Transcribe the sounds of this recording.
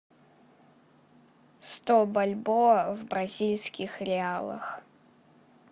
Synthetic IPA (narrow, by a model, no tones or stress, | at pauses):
st̪obɐlʲbovbɾɐzʲilʲsʲkʲɪxɾʲɪalˠə̰x